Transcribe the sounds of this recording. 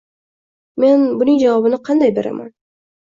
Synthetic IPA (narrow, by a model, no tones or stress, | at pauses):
me̞nbʊnund͡ʒawabɯnɯqʰɑnd̪ɑjbeɾa̰ma̰n